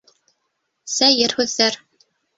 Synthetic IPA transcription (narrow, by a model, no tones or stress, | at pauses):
sæjɘɾhʉðːæɾ